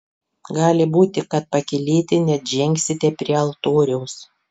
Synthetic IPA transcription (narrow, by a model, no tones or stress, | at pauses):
ɡɑːlʲɪbuːt̪ʲɪkɐt̪̚pɐkʲɪlʲeːt̪ʲɪnʲɛʒʲɛŋʲksʲɪt̪ʲɛpʲɾʲiɛɐlˠt̪oːɾʲɛʊs